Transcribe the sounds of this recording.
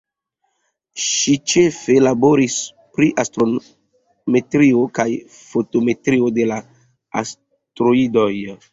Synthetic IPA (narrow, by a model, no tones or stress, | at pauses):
ʃit͡ʃefe̞labo̞ɾis | pɾiʔastɾo | me̞tɾio̞kaj | foto̞me̞tɾio̞de̞la | a̰s | tɾoidoj